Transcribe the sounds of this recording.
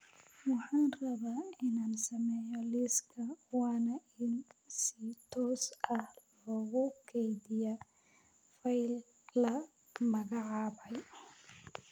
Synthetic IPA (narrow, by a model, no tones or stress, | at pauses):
wɑħɑːnrɐβaːɪnaːnsɐmɛːjɔlɪskʰɐwɑːnɐɪnsit̪ʰɔːsɐhlɔːɣʊkʰɛjd̪ɪjɐ | fɐjlː | ɐ | mɐɣɑʕɑːbɐj